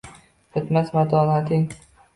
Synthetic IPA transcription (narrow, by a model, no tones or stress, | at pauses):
bɪt̪masmat̪ʰɒːnat̪ʰɪŋ